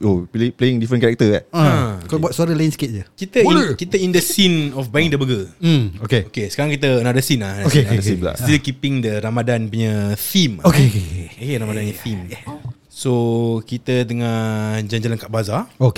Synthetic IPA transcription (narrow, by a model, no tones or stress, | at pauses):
oplepleɪŋdifɾənkaɾɛk̚t̪əɡaakabwat̪̚suaɾəlajinsə̥kɪt̪̚d͡ʒəkit̪əĩkit̪əindəsinɔfbajiŋdəbəɡəokeokesə̥kaɾaŋkit̪̬ənadəsinlanaokeəsimla̰stilkipɪŋdəɾamadanpuɲəθimokekeokeɾamadaniθim | sokit̪ədəŋãnd͡ʒaɲd͡ʒələŋkaʔ̚bazaok